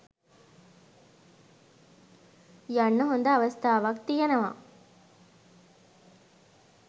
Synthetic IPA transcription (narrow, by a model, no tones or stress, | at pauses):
jɐɳːuɦond̪ɐɐʋɐst̪ʰaːʋɐkt̪ijɐnɐʋa̰